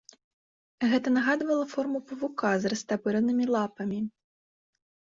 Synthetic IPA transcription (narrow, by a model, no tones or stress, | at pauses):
ɣɛt̪ɐnaɣad̪vɐlˠɐfɔrmupɐvukazrɐst̪abɨɾɐnɨmʲilˠapɐmʲi